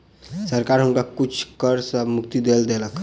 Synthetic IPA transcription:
səɾkaɾɦunkakut͡ʃʰkəɾsəmukt̪id̪eld̪eləkʰ

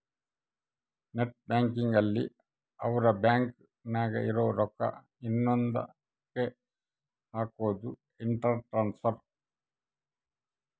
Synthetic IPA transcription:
neʈ̚baːŋkiŋɡɐlːḭ | ɐʋuɾɐbaːŋk | naːɡɐ̰ʔiɾoːɾɔkːɐ̰ | inːɔnd̪ɐ̰ | ke | haːkoːd̪u | iɳʈɐɾʈɾaːnsɐɾ

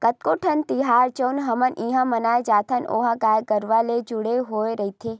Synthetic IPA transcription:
kət̪̚koːʈʰənt̪iɦaːɾt͡ʃəunɦɐmənʔĩːɦãmɐnaːed͡ʒaːt̪ʰəno̰ːɦaɡaːjɡəɾʋaled͡ʒʊɽeɦoːeɾɐit̪ʰeː

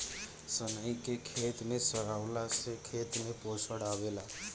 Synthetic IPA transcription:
sənəikekʰet̪nesəɾaʋlasekʰet̪neposəɽaʋela

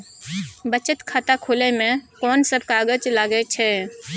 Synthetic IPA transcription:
bət͡ʃət̪kʰaːt̪akʰoːlemẽkɔːnsəbʱkaːɡəd͡ʒlaːɡɛt͡ʃʰɛː

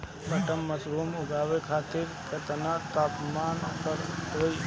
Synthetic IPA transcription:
bəʈəmːəsɾuːmʊɡaːʋekʰaːt̪ɪɾkət̪ənat̪aːpmaːnpəɾɦoi

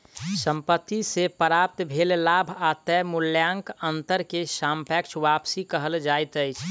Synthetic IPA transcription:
sə̃mpət̪ːisepəɾaːp̚t̪bʱellaːbʱat̪ɛmʊljãŋkənt̪əɾkesaːmpɛkt͡ʃʰʋapsikəɦəld͡ʒaːjt̪əɪt͡ʃʰ

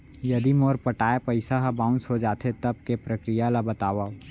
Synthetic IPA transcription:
jɐd̪imoːɾpəʈaːepəɪsaɦabãːʊ̃nsod͡ʒaːt̪ʰet̪ɐb̚kepɾəkɾijalabət̪aːʋa

